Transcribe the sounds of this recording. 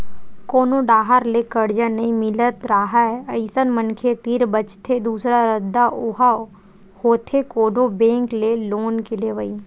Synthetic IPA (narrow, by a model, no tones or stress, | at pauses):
koːnoɖaːɦaɾlekəɽd͡ʒanɐĩmɪlət̪ɾaɦaɛəɪsənmənkʰet̪iɾbət͡ʃt̪ʰed̪uːsɾaɾəd̪ːaʔoɦa | hoːt̪ʰekoːnõbẽːŋkleloːnkeleʋəi